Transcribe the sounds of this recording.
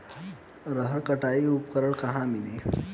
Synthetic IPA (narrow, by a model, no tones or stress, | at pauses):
ɾɐɦəɾkɐʈaːiʊpqəɾəɽkaɦãːmɪliː